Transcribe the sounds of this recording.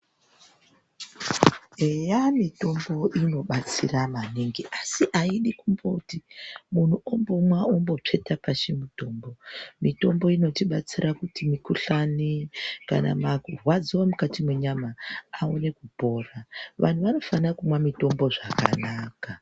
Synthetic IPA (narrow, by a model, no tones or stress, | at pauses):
ɦejamito̞mbo̞ʔino̞ɓat͡siramaniŋɡiʔasiʔaiɗikumboutimun̤uʔombo̞mwaombo̞t͡ʂe̞tapaʃemito̞ːmbo̞mito̞mbo̞ino̞tiɓat͡sirʔakutimikuɬanika̰na̰makurwad͡ziwamukatimwe̞ɲamaaone̞kubʱo̞ːraʋʔa̰n̤uʋano̞fanakumwamito̞mbo̞ʐaka̰naːka